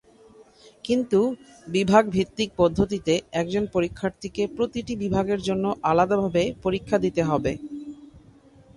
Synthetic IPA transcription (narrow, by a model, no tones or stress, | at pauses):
kint̪u | bibʱaɡbʱit̪ːik̚pɔd̪ʱːot̪it̪eɛk̚d͡ʑonpoɾikʰːaɾt̪ʰikepɾot̪iʈibibʱaɡeɾd͡ʑonːoʔalad̪abʱabepoɾikʰːad̪it̪eɦɔbe